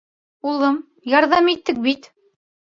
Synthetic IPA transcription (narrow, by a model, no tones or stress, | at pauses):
ulˠɤm | jɑɾðɑmit̪ːɘk̚bit̪